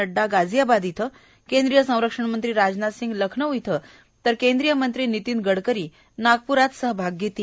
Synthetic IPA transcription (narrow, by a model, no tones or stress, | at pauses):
əɖːaɡad͡zjabad̪it̪ʰə | kẽnd̪ɾijəsə̃w̃ɾəkʂəɳmənt̪ɾiːɾad͡znasiŋɡləkʰɳəujit̪ʰə | t̪əɾkẽnd̪ɾijəmənt̪ɾiːnit̪iːnɡəɽkəɾiː | naɡ̚puɾat̪səɦəbʱaɡjet̪iː